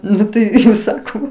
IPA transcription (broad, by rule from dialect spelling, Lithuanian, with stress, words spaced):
ˈnʊ tɐɪ sɐˈkɐʊ